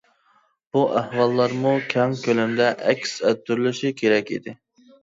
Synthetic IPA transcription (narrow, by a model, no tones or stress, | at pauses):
b̥uʔæhwɑlˠːɑɾmukʲʰɑŋkʲølɛmd̪ɛʔɛkʲsɛt̪ːyɾlɪʃikʲʰeɾɛkʲid̪ɪ